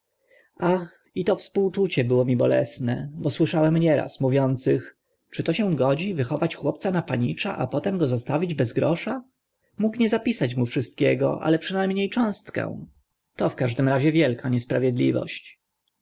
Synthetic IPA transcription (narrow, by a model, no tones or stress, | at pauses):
ax | it̪ɔfspuwt͡ʂut͡ɕɛbɘwɔmʲibɔlɛ̰snɛ̰bɔswɘʂawɛmɲɛɾa̰smuvʲjɔnt̪sɘx | t͡ʂɘt̪ɔɕɛ̃ɡɔd͡ʑivɘxɔvat͡ɕxwɔpt̪sanapaɲit͡ʂa̰ʔapɔt̪ɛmɡɔzɔst̪avʲid͡ʑbɛzɡɾɔʂa | mukɲɛzapʲisat͡ɕmufʂɘst̪̚kʲɛɡɔ̰ʔa̰lɛpʂɘnajmɲejt͡ʂɔ̃w̃st̪kɛ̰̃w̃ | t̪ɔfkaʐd̪ɘmɾaʑɛvʲjɛlkʰaɲɛspɾavʲjɛd̪lʲivɔ̰ɕt͡ɕ